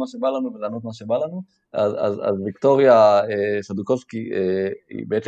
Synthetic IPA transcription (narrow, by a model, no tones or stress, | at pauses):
maʃebalanuvelano̞t̪maʃe̞balanu | aza̰za̰zvikt̪o̞ʁjaesad̪uko̞skieḭbeet͡se